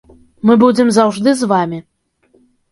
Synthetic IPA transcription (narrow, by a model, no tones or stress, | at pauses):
mɨbud͡zʲɛmzɐwʐd̪ɨzvamʲi